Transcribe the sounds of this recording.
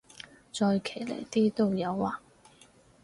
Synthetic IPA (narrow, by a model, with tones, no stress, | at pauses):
t͡sɔː˧jkʰe˨˩jlḛ˨˩jt̪iː˥t̪o˥wjɐ˨˧waː˨˧